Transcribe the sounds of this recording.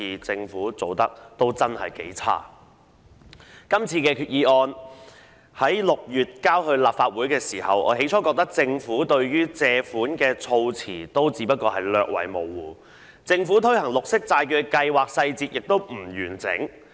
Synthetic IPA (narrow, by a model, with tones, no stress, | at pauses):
iː˨t͡sɪ˧ŋfuː˨˥t͡so˨˧wt̪ɐ˥k̚t̪o˥wt͡sɐ˥nhɐ̰˨jkḛ˨˥jt͡sʰa̰ː˥ | kɐ˥mt͡sʰiː˧kɛː˧kʰyː˨t̚jiː˨˧ʔɔː˧n | hɐ˨˥jlʊ˨k̚jyː˨˩t̚kaː˥wɦɵ˧ɥlaː˨p̚faː˧t̚wuː˨˥jkɛː˧siː˨˩hɐ˨wʔɔ̰ː˨˥ɦe˨˥jt͡ʃʰɔː˨˥kɔː˧k̚t̪ɐ˥k̚t͡sɪ˧ŋfuː˨˥t̪ɵ˧ɥɥyː˥t͡sɛː˧fuː˨˥nkɛː˧t͡sʰo˧wt͡sʰiː˨˩t̪o˥wt͡siː˨˥pɐ˥t̚kɔː˧hɐ˨jlœː˧k̚wɐ̰˨˥jmo˨wːuː˨˩ | t͡sɪ˧ŋfuː˨˥t̪ʰɵ˥ɥhɐ˨˩ŋlʊ˨k̚sɪ˥k̚t͡saː˧jkœː˨˧kɐ˧jwaː˨k̚sɐ˧jt͡siː˧t̚jɪ˨k̚t̪o˥wm̩˨˩jyː˨˩nt͡sɪ̰˨˥ŋ